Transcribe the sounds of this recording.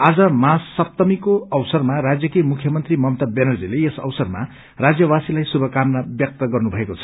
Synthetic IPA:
ad͡zʌmasːʌp̚t̪ʌmikoʌwsʌrmaɾad͡zjʌkimukʰjʌmʌnt̪rimʌmt̪abenʌrd͡zileesʌ̰wsʌrma̰ | rad͡zjʌwasilajsubʱʌkamnabjʌk̚t̪ʌɡʌrnubʱʌekot͡sʰʌ̥

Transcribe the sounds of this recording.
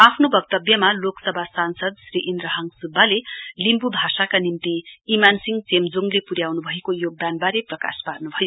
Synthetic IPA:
apʰnobʌk̚t̪ʌbjʌmaloksʌbʱasansʌd̪sriʔind̪rʌɦʌŋsubːalelimpubʱasakanimt̪iimansiŋɡt͡semd͡zoŋlepuɾjawnubʱʌekojoɡ̚d̪anbaɾeprʌka̰sparnubʱʌjo

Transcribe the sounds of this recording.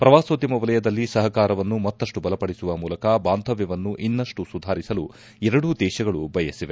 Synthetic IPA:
pɾɐʋaːsoːd̪jɐmɐʋɐlɐjɐd̪ɐlːisɐɦɐkaːɾɐʋɐnːumɐt̪ːɐʂʈubɐlɐpɐɽisuʋɐmuːlɐkɐbaːnt̪ɐʋjɐʋɐnːuʔinːɐʂʈusud̪ʱaːɾisɐlu | ɛɾɐɽud̪ɛːʃɐɡɐɭubʱɐjɐsiʋe

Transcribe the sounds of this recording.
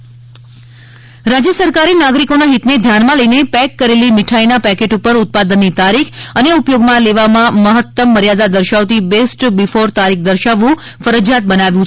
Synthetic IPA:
ɾad͡ʒjəsəɾkaɾinaɡɾikonaɦit̪ned̪ʱjanmãləinepɛkːəɾelimɪʈʰajnapɛkeʈupəɾʊt̪̚pad̪ənːit̪aɾikʰəneupjoɡmãleʋamãməɦət̪ːəmːəɾjad̪ad̪əɾʃaʋt̪ibesʈbifoɾt̪aɾik̚ʰd̪əɾʃaʋːũ | fəɾəd͡ʒjat̪̚bənaʋjũt͡ʃʰ

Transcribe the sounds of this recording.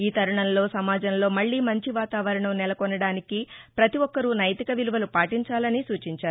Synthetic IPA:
iːt̪ɐɾuɳɐnlo̞ːsɐmaːd͡ʒɐnlo̞ːmɐɭːiːmɐɲt͡ʃiʋaːt̪aːʋɐɾɐɳɐmnɛlɐkɔnːɐɽaːnikipɾɐt̪iʋɔkːɐɾunɐjt̪ikɐʋiluʋɐlupaːʈiɲt͡ʃaːlɐnisuːt͡ʃiɲt͡ʃaːɾu

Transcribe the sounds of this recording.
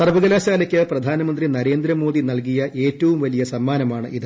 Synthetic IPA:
sɐrʋɐɣɐlaːɕaːlɐkʲːɨprɐd̪ʱaːnɐmɐnd̪rinɐɾe̞ːnd̪ɾɐmo̞ːðinɐlk̬ijɐʔe̞ːtːɐʋumʋɐlijɐsɐmːaːnɐmaːɳɨʔiðɨ

